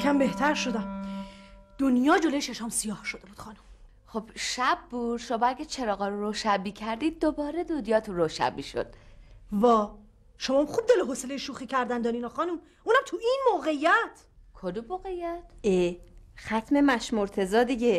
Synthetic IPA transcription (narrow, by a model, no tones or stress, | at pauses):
æmbe̞ht̪ʰæɾʃo̞d̪æm | d̪̥onjɒːd͡ʒolojeʃeʃɒmsijɒːhʃo̞d̪e̞buːd̪̥xɒːnum | χob̥ʃæbːuːd̪ʃomɒæɡʲet͡ʃʰeɾɒːɣɒːɾoɾoːʃæbiːcʰæɾd̪iːd̪̚ːobɒːɾed̪ud̪jɒːt̪ʰuɾoʃæ̰biʃo̰d̪̥̚vɒː | ʃomɒːmχub̚d̪eloɦoselejeʃuːxiːcʰæɾd̪ænd̪ɒːɾiːnɒxɒːnum | uːnæmt̪ʰuʔinmoːɣe̞ijːæt̪ʰ | kʰod̪uboːɣejːæt̪exæt̪ʰmemæʃmoɾt̪ʰe̞zɒːd̪iɟe